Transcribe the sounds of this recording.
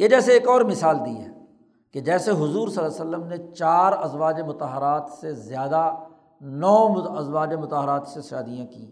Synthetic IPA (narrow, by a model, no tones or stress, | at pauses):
jed͡ʒɛːseːkɔːɾmɪsaːld̪iɦɛː | ked͡ʒɛːseɦʊzuːɾsəlːasəlːəmnet͡ʃaːɾɐzʋaːd͡ʒemʊt̪aɦəɾaːt̪sezjaːd̪a | nɔːmʊɐzwaːd͡ʒemʊt̪aɦəɾaːt̪sesʃaːd̪ijãkĩ